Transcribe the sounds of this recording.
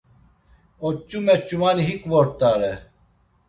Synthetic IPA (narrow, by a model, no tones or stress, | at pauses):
ot͡ɕumet͡ɕumaːniɦikwoɾt̪aːɾe